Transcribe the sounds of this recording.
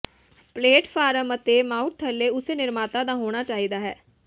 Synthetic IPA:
pleːʈfʰaːɾəmət̪eːmaːʊʈ̚t̪ʰəlːeːʊseːnɪɾmaːt̪ãːd̪ãːɦoːɽ̃aːt͡ʃaːɦiːd̪aːɦɛː

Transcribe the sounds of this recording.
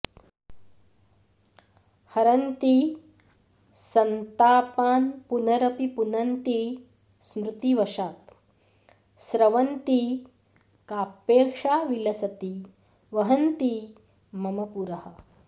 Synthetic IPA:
hɐɾɐnt̪i | sɐnt̪aːpaːnpunɐɾɐpipunɐnt̪i | smɾut̪iʋɐʂaːt̪ | sɾɐʋɐnt̪i | kaːpeːɾʂaːʋilɐsɐt̪i | ʋɐɦɐnt̪i | mɐmɐpuɾɐhɐ̆

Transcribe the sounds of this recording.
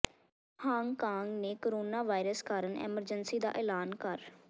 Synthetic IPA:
hãːŋɡkaːŋɡneːkoːɾoːnaːʋaːɪɾəskaːɾənɛ̰ːməɾd͡ʒənsiːd̪a̰ːʔɛːlaːnkəɾ

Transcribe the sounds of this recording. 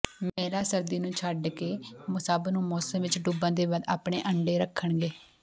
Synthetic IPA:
meːlaːsəɾd̪iːnũːt͡ʃʰəɖkeːmʊsaːbnũːmɔːsəmʋɪt͡ʃɖubãːd̪eːbəd̪aːpɳ̃eːʔəɳɖeːɾəkʰːəɳɡeː

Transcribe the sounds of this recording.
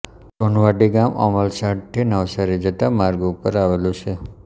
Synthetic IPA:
pɔɳʋaʈiɡamɔ̰məlsaʈʈʰːinəwsaɾid͡ʒət̪amaɾɡupəɾaʋelũt͡ʃʰe

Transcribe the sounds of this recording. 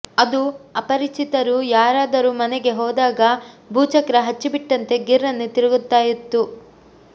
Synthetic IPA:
ɐd̪uɐpɐɾit͡ʃit̪ɐɾujaːɾaːd̪ɐɾumɐnɛɡe̞ɦɔːd̪aːɡɐbʱuːt͡ʃɐkɾɐɦɐt͡ʃːibiʈːɐnt̪e̞ɡiɾːɐnːut̪iɾɐɡut̪ːaːjit̪ːu

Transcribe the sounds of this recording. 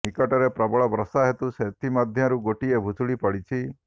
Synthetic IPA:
nikɔʈɔɾepɾɔbɔɭɔbɾɔsaɦet̪uset̪ʰimad̪ʱjɔɾuɡoʈiebʱusuɽipaɽit͡ʃʰi

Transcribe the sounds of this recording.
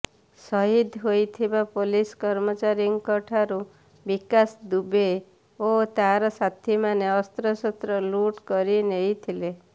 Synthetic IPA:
sɔɦid̪ʱɦojt̪ʰibapoliskɔɾmɔt͡ʃaɾiŋkɔʈʰaɾu | bikasd̪ube | ot̪aɾɔsat̪ʰimaneɔst̪ɾɔsɔt̪ɾɔluʈkɔɾineit̪ʰile

